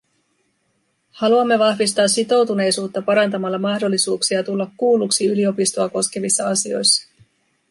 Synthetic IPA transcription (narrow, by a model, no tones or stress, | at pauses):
hɑluɑmːe̞ʋɑhʋist̪ɑːsːit̪o̞wt̪une̞jsuːt̪ːɑpɑɾɑnt̪ɑmɑlːɑmɑhdo̞lːisuːksiɑt̪ulːɑkːuːlːuksiylio̞pist̪oɑko̞sk̟e̞ʋisːɑɑsio̞̰jsːɑ̥